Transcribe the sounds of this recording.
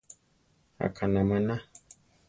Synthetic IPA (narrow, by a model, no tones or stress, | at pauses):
a̰kʰanamana